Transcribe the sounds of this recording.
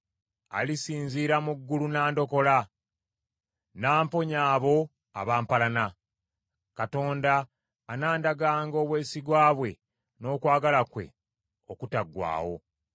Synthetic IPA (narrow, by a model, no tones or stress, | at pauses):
a̰lisiːnziːɾamuɡːulunaːndo̞ko̞la | naːmpo̞ɲaːβo̞ | a̰βaːmpalana | kato̞ːndaː | naːndaɡaːŋɡo̞ːβwe̞ːsiɡwaːβwe̞ | no̞ːkwaːɡalakwe̞̰ | okutaɡwa̰ːwo̞̰